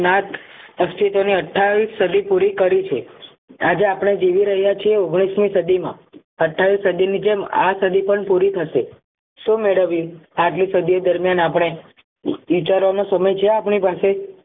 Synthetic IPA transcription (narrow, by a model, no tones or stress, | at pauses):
nat̪əst̪ʰit̪oniəʈʰːaʋisːəd̪ʱipuɾikəɾit͡ʃʰe | ad͡ʒeapɽ̃ed͡ʒiʋiɾəɦjat͡ʃʰieoɡɽ̃ismisəd̪ʱimã̰ | əʈʰːaʋisəd̪ʱinid͡ʒema̰səd̪ʱipəɳpuɾit̪ʰəʃe | ʃumeɭəʋiaʈlisəd̪ʱijod̪əɾmjanapɽ̃e | ʋit͡ʃaɾʋanosəməjt͡ʃʰeapɳ̃ipase